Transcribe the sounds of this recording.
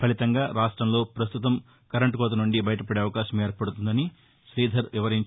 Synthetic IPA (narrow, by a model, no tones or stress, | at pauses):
pʰɐlit̪ɐŋɡaːɾaːʂʈɾɐmlo̞ːpɾɐst̪ut̪ɐm | kɐɾɐɳʈkɔːt̪̬ɐnuɳɖibɐjɐʈɐpɐɽeːɐʋɐkaːʃɐme̞ːɾpɐɽut̪und̪ɐni | ʃɾiːd̪ʱɐɾʋiʋɐɾiɲ